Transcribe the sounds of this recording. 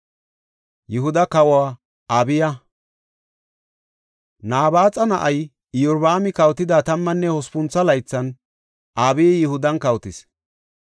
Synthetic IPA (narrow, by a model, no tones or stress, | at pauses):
jɪɦʊd̪ɐkɐwaː | aːbɪjɐ | naːbaːt͡sʼɐnɐʔɐj | ɪjɔɾbaːmɪkɐwt̪ɪd̪aːt̪ɐmːɐnːɛhɔspʊnt͡sːɐlɐjt͡sːɐn | ʔaːbɪjjɪhʊd̪ɐnkɐwt̪ɪs